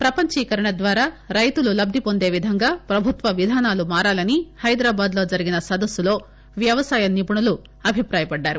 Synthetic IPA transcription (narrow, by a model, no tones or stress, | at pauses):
pɾɐpɐɲt͡ʃiːkɐɾɐɳɐd̪ʋaːɾaːɾɐjt̪ululɐb̚d̪ʱipo̞nd̪e̞ːʋid̪ʱɐŋɡaːpɾɐbʱut̪ʋɐʋid̪ʱaːnaːlumaːɾaːlɐnihɐjd̪ɾaːbaːd̪lo̞ːd͡ʒɐɾiɡinɐsɐd̪ɐsːulo̞ː | ʋjɐʋɐsaːjɐnipuɳɐlu | ɐbʱipɾaːjɐpɐɖːaːɾu